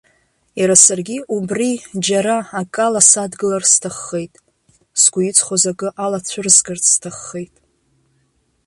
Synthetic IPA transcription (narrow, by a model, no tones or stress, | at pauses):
jaɾasarɡʲiʔubrid͡ʒaɾaakʼalasadɡɨlarstʰaχːe̞jtʼ | sɡ̥ʷʊit͡sʷʰʼχʷozakʼɨʔalat͡ɕʷʰʊrzɡartʰstʰaχːe̞jtʼ